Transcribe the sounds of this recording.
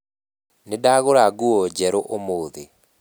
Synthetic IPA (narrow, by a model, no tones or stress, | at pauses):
nedaɣoɾaɡuɔd͡ʑɛɾoʔomoːðe